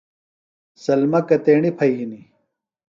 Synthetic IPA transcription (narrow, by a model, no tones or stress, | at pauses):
sɐlmɐkɐt̪eːɳipʰɐjɦini